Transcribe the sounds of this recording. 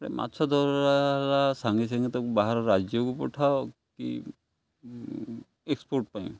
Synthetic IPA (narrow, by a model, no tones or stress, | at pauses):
ɾɛ̰mʔa̰tsʰɔd̪ʱɔɾalasaŋɡis̬aŋɡɛt̪ɔkbaɦaɾɔɾːad͡ʒjɔkupɔʈʰaw | kḭ | ekspɔɾʈpaj̰̃